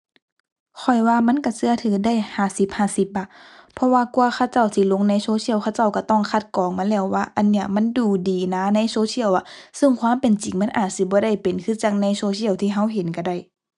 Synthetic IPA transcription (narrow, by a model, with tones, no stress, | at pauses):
kʰɔ˨˩jwaː˧ma˧˥˨nka˧˩sɯ˧ɐt̪ʰɯː˨˦da˧˥˨jhaː˧˩si˧˦p̚haː˧˩˨si˧˦p̚ba˧pʰɔ˧˥waː˧ku˧ɐ˧xʰa˧˥˩wt͡ɕa˧˩˨wt̪ʰiː˧˩˨lo˧˥˨ŋna˧˥˨soː˧˦si˧˥˨wkʰa˧wt͡ɕa˧˩wka˧˩t̪ɔ˧˥˩ŋkʰa˧˩t̪̚kɔː˨˦ŋmaː˧˥˨lɛː˧˩wːaː˧˦ʔa˨nːi˧˩ɐma˧˥˨nduː˧˩diː˨˦naː˧˥˨na˧˥˨jsoː˧˦sʰi˧˥˨əwʔa˧˩sɯ˧˥˨ŋkʰwaː˧˥˨mpe˨nt͡ɕi˨ŋma˧˥˨nʔaː˨˩t̪̚si˧˦bɔː˧˦ɾa˧˩jpe˨nkʰɯː˧˥˨t͡ɕaː˧˩k̚na˧˥˩jsoː˧˦sʰi˧˩ə˨wt̪ʰiː˧ɦa˧˥˨wɦe˨˦nka˧˩da˧˩j